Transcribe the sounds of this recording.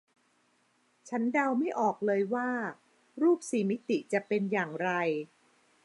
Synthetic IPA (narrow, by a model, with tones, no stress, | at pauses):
t͡ɕʰa˦˥nda˧wma˥˩jʔɔː˨˩k̚lɤː˧jwaː˥˩ | ɾuː˥˩p̚siː˨˩˦mi˦˥t̪i˨˩t͡ɕa˨˩pe˧njaː˨˩ŋɾa˧j